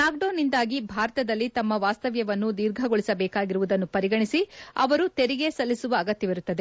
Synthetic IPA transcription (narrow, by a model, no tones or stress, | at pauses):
naːɡɖoːnːind̪aːɡibʱaːɾɐt̪ɐd̪ɐlːit̪ɐmːɐʋaːst̪ɐʋjɐʋɐnːud̪iːɾɡʱɐɡoɭisɐbɛːkaːɡiɾuʋud̪ɐnːupɐɾiɡɐɳisiɐʋɐɾut̪eɾiɡe̞sɐlːisuʋɐːɡɐt̪jɐʋiɾut̪ːɐd̪e̞